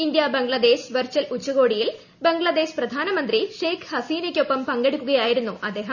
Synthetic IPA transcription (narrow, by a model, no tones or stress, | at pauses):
ind̪jɐbeŋɡɭɐd̪e̞ːɕʋɐrt͡ɕːɐlut͡ɕːuɣo̞ːɽijil | be̞ŋɡɭɐd̪e̞ːɕprɐd̪ʱaːnɐmɐnd̪riʂeːkhɐsiːnekʲːo̞pːɐmpɐŋɡeɽikʲːuɣɐjaːjiɾunːuʔɐd̪ːe̞ːɦɐ